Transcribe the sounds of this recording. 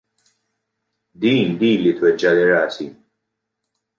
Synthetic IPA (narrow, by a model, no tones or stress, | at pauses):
d̪iːnd̪iːlit̪wɛd͡ʒːɐlɪɾɐːsi